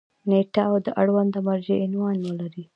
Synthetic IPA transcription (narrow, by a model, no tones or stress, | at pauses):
neʈaːwd̪əʔaɽwand̪əmaɾʒeɪnwɑnwəlaɾi